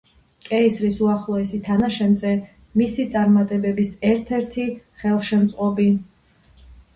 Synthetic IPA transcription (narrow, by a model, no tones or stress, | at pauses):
kʼɛisɾisuaχlˠɔɛsit̪ʰanaʃɛnt̪zʼɛ | misit̪sʼaɾmat̪ʼɛbɛbisɛɾt̪ʰɛɾt̪ʰiχɛlˠʃɛmt̪sʼqʼɔbi